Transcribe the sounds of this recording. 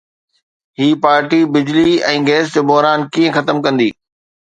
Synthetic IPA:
ɦiːpaːɾʈibɪd͡ʑliɛ̃ːɡeːsd͡ʑobɔɦɾaːnkiːə̃xɐt̪əmkɐ̃nd̪iː

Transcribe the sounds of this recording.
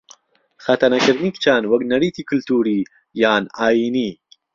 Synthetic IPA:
xɐt̪ɐnɐkʰɨɾd̪niːkt͡ʃʰaːnwɐknɐɾiːt̪ʰiːkʰɨlt̪ʰuːɾiː | jaːnaːjiːniː

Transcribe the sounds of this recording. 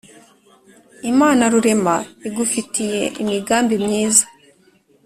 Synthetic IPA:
imaːnaɾuɾe̞maiɡufitije̞̰ʔimiɡaːmbimɲiːzḁ

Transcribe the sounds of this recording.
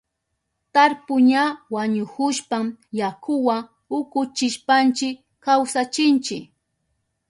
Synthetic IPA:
t̪aɾpʊɲawaɲʊkʊʃpamjakʰʊwa | ʊkʊt͡ʃɪʃpant͡ʃɪk | kawsat͡ʃɪnt͡ʃɪk

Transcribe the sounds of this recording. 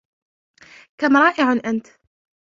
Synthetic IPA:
kamɾˤɑːʔɪʕanʔant̪

